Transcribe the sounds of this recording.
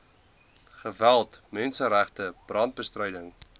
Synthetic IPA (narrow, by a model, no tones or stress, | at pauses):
χəvælˠtmɛnsəɾæχtəb̥rɑnt̚bəstrœjdəŋ